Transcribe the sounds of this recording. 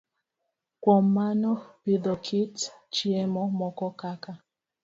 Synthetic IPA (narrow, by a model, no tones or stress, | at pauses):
kwɔmanɔpiðɔkʰitt͡ʃiɛmɔmɔkɔkaka